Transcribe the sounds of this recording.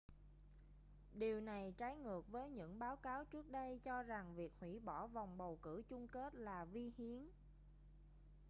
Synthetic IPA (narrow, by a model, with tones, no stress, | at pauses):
ɗi˨˩əwna˨˩jt͡ɕaː˨˦jŋɨ˨˩ək̚vəː˨˦jɲɨ̰˧˥ŋɓaː˨˦wkaː˨˦wt͡ɕɨ˦˥ək̚ɗə˧jt͡ɕɔ˧za˨˩ŋvi˨˩ək̚hwḭ˧˥ɓɔ˧˩va˨˩wŋ͡mɓə˨˩wkɨ̰˧˩t͡ɕʊ˧ŋ͡mke˦˥t̚laː˨˩vi˧hi˨˦ən